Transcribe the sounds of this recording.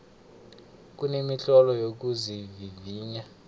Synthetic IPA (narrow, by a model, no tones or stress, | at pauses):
k̬ʼunemiɬɔlɔjok̬uziviviːɲa